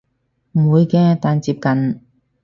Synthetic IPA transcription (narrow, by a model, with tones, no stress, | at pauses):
m̩˨˩uː˨˧jkɛː˧t̪aː˨˧nt͡siː˧p̚kɐ˨n